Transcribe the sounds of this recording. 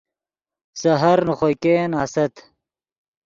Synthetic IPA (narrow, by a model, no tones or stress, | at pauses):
sɐɦɐɾnuχojkeːnaːsɐt̪